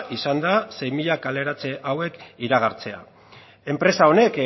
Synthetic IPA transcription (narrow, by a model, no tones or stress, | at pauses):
ʔisand̪ase̞jmiʎakale̞ɾat͡se̞ʔawe̞kiɾaɣaɾt͡se̞a̰ | e̞mpɾe̞sao̞ne̞k